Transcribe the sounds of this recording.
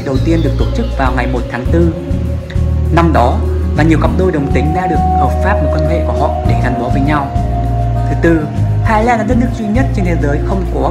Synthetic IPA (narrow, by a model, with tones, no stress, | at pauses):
ɗə˨˩wt̪i˧ənɗɨ˨˩ək̪̚o˧˩t̚t͡ɕɨ˦˥k̚vaː˨˩wŋa˨˩jmo˨˩t̚t̪ʰaː˨˦ŋt̪ɨ˧ | na˧mɗɔ˨˦vaː˨˩ɲi˨˩əwkə˨˩p̚ɗo˧jɗə˨˩wŋ͡mt̪ï˨˦ŋ̟ɗaː˧ɗɨ˨˩ək̚həː˨˩p̚faː˦˥p̚no˨˩tkə˧nɦḛ˧˨ku˧˩əhɔ̰˧˨ɗe˧˩zaː˧˩nʔu˨˦vəː˨˦jɲa˧w | t̪ʰɨ˨˦t̪ɨ˧ | haː˧jlaː˧nɗaː˨˥ɗə˦˥t̚nɨ˦˥ək̚zwi˧ɲə˦˥t̚t͡ɕe˧nt̪ʰe˨˦zəː˨˦jxə˧wŋ͡mkɔ˨˦